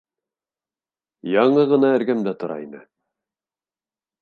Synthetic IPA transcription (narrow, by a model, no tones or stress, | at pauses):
jɑɴɤʁɤ̆nɑæ̆ɾɡæmd̪æt̪ŏɾɑ̰inɘ̰